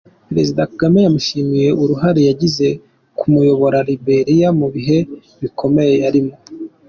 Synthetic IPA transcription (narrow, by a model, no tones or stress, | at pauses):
peɾe̞zidakaɡame̞jamuʃimije̞ʔuɾuɦaɾejaɟize̞ | kʰumujo̞βo̞ɾaɾibe̞ɾijamuβiɦe̞ | βikʰo̞me̞je̞aɾimo̞